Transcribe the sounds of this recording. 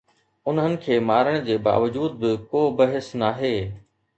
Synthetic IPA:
ʊnɦənɪ̆kʰeːmaːɾəɽ̃d͡ʑeːba̰ːʋəd͡ʑuːd̪̚bɪkoːbɐɦɪsnaːɦeː

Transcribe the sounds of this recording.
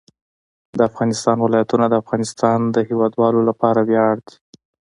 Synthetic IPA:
d̪əafɣɑnɪst̪ɑnwɪlɑjat̪unad̪əafɣɑnɪst̪ɑnd̪əhewɑd̪wɑlolapɑɾawjɑɽd̪i̥

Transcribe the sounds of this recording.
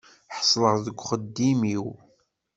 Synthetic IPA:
ħə̥sˤləʁðəɡʷχəd̪ːimiw

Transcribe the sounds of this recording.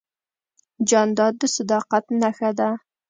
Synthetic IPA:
d͡ʒɑnd̪ɑd̪ːɪsɨd̪ɑːqɑt̪naxad̪a

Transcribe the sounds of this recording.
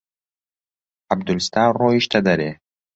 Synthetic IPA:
ab̚d̪ulst̪arɔːiʃt̪ʰad̪aɾe

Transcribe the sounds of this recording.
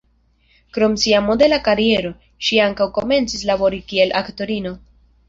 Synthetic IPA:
kɾo̞msiamo̞de̞lakaɾie̞ɾo̞ | ʃiaŋkawko̞me̞nt͡sislabo̞ɾikie̞lʔakto̞ɾino̞

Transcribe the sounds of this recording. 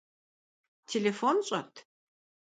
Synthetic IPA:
tʰelefonɕʼɐtʰ

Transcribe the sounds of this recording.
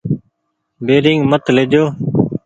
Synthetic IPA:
beːɾɪŋɡmət̪led͡ʒoː

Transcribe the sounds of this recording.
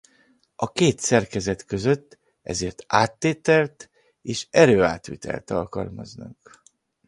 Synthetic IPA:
ɒkeːt̪sɛrkɛzɛt̪kø̞zøt̪ː | ʔɛ̰zeːrt̪aːt̪ːeːt̪ɛlt̪ | eːʃɛɾøːaːt̪ʋit̪ʰɛ̰lt̪ɒlkɒlmɒznɒ̰k

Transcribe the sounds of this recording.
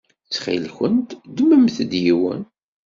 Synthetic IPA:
t͡sːχḭlçənt̪d̪əmːəmθd̪jiwə̰n

